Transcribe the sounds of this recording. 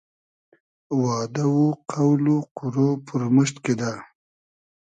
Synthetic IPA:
wɑːd̪awuqʰawluqʊɾopəɾməʃt̪ked̪a

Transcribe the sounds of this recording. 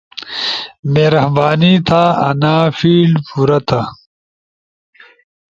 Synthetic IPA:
meːɾɐhbaːnit̪ʰaːɐ̰naːfiːlpuɾɐt̪ʰɐ

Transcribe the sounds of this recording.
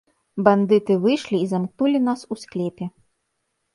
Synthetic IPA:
band̪ɨt̪ɨvɨjʂlʲiːzamk̚nulʲinasusklʲɛpʲɛ

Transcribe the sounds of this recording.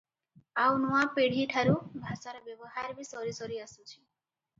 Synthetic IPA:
awnuapeɽ̤iʈʰaɾubʱasaɾɔbjɔbɔɦaɾbisɔɾisɔɾiasut͡ʃʰi̥

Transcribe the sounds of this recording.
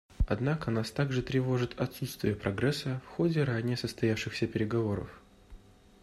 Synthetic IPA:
ɐd̪nakənast̪aɡʐɨt̪ɾʲɪvo̞ʐɨt̪ɐt̪sut̪st̪vʲɪjəpɾɐɡɾɛsːəfxo̞dʲɪɾanʲɪjəsəst̪ɐjafʂɨxsʲəpʲɪɾʲɪɡɐvo̞ɾə̰f

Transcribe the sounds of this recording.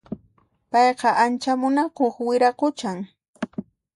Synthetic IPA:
pɑjqɑʔant͡ʃamʊnakoχwɪɾaqʊt͡ʃaŋ

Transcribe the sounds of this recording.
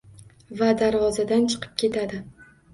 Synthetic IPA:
vad̪aɾvɒzad̪ant͡ʃʰɨ̥qʰɨ̥p̚kʲʰe̞t̪ʰad̪ɪ

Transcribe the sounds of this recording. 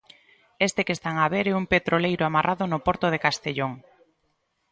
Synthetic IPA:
est̪ekest̪aŋaβeɾɛumpet̪ɾolejɾoamarʔaðonopoɾt̪oð̞ekast̪eʎoŋ

